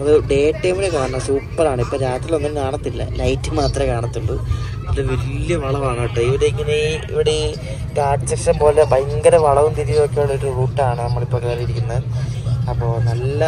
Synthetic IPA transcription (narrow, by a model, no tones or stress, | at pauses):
ɐðɨɖe̞ːʈːɐjmilekaːɳnɐsuːpːɐɾaːɳɨipːoːɾaːt̪ːilo̞nːinkaːɳɐt̪ːilːɐ̰lɐjtːɨmaːt̪rɐmkaːɳɐt̪ːuɳɖɨ | leʋeljɐʋɐɭɐʋaːŋːiʈːɨiʋɐɾeiŋːɐneḭʋiɽe | kaːɖt͡ɕɐkʂɐnpo̞ːlebɐjŋɡɐɾɐʋɐɭɐʋumt̪iɾijokːejuɭːɐoɾuruːʈːaːɳɨnɐmːɐɭipːoːkeːrijiɾikʲːunːɐðɨɐpːo̞ːɭnɐlːɐ